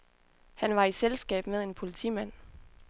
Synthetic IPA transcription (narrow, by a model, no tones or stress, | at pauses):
hænʋɑ̈iselsɡ̥ɛ̰ːb̥með̞ˠe̝npʰo̝lit͡sʰḭmæn̰